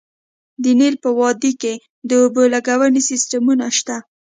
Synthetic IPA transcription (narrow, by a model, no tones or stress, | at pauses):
d̪ənilpəwɑd̪ike | d̪əobəlaɡawənisisʈamunaʃt̪a